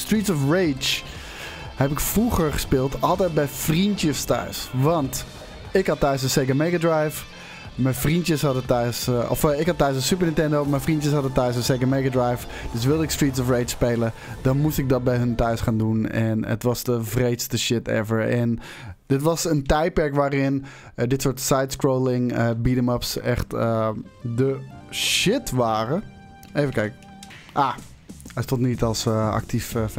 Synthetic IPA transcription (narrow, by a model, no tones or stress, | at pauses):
stɹiːtsɔfɹeːt͡ʃ | hɛpɪkfruɣəɹχə̥spɪːlˠtʰɔlˠtɛjt̚bɛjfrintjəstœ̰ɥsʋɑnt | ɪkhɑtːœɥsənseɡəmejɡadɹajf | mɛjfrintjəshɑdətœɥsɔ̰fɪkhɑtːœɥsə̃nsypəɹnɪntɛndomɛnfrintjəshɑdətœɥsə̃nsekəmeɡadɹajf | d̥øs̬ʋɪlˠdɪkstɹitsɔfrejt͡ʃspeːləd̥ɔnmustɪk̚dɔt̚bɛjɦəntœɥsχaːndunɛ̰nə̰tʋɔsdəvreːtstəʃɪtɛ̰vəɹɛn | dɪtʋɔsəntɛjt̚pɛɹkʋaːɾɪn | dɪtsoɹtsajtskɹolɪŋəbidəməpsɛxtədəʃɪtʋaːrə | eːvəkɛjk | ʔa | ɛjstotnitɔlˠsa̰k̚tʰif